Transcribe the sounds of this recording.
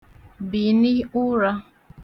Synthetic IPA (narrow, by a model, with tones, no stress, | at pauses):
bi˨ni˦u˦ɾa˦